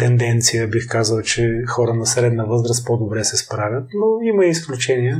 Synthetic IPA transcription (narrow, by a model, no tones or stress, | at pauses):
t̪ɛnd̪ɛnt̪sijəbixkazəlˠt͡ʃɛxɔɾənɐsɾɛd̪nɐvɤzɾəst̪̚pod̪obɾɛsɛspɾavʲət̪noimɐiːsklʲut͡ʃɛniə